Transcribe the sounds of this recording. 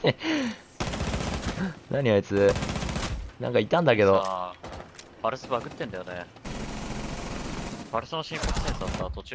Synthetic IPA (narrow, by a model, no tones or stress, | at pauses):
nʔaɲ̟ioet͡sɨ | nã̰ŋkait̪ːãnd̪ake̞d̪o̞ | b̥aɾɯ̟sɨbakɯ̟t̪ːẽ̞nd̪ajone | b̥aɾɯ̟sɨnoɕĩŋkokɯ̥sẽɰ̃sat̪ːat̪ot͡ɕː